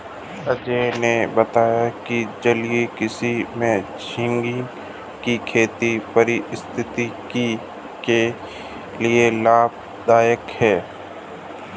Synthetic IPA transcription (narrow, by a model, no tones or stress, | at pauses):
əd͡ʒenebət̪aːjakid͡ʒəliekɪsimẽ | d͡ʒʰɪ̃ŋɡɪ | kikʰeːt̪ipəɾiɪst̪ʰɪt̪iki | ke | lielaːb̚ | d̪aːjəkhɛː